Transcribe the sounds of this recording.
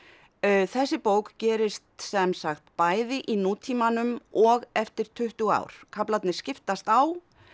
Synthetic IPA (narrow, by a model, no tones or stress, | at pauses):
θɛsːɪpoːwkcɛːɾɪst̪sɛmsaxt̪paːjðɪʔinuːt̪ʰiːmanʏmɔɣɛft̪ɪɾ̥t̪ʰʏht̪ʏɣa̰wɾ̥kʰaplat̪nɪ̥scɪft̪ast̪aw